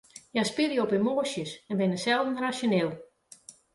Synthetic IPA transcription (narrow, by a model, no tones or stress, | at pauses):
jajspidjɔpimoːsjəsɛnʋɪnəsɛlˠdn̩rasjonɪlˠ